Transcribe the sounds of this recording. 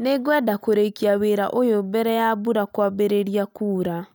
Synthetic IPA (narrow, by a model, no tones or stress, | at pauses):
neɡwɛːdakoɾeikiaweːɾa̰ʔojombɛɾɛjabuɾakwabeɾeɾiakuːɾa